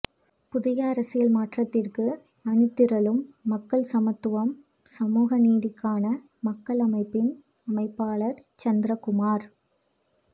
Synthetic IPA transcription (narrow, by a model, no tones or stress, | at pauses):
pʊðɪjɐɐɾɐsɪjɐlmaːʈrɐt̪ːɪrkɯ | ɐɳɯt̪ːɪɾɐlɯmːɐkːɐɭsɐmɐt̪ːɯʋɐm | sɐmuːɣɐniːðɪkːaːnɐ | mɐkːɐɭɐmɐɪpːɪn | ɐmɐɪpːaːɭɐɾt͡ʃɐnd̪ɾɐkʊmaːɾ